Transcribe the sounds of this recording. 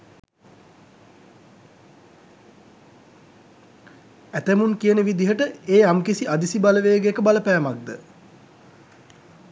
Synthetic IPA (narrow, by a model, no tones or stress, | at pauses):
æt̪əmunkijənəʋid̪iɦəʈəeːamkisiad̪isibaləʋeːɡekəbaləpæːmak̚d̪ə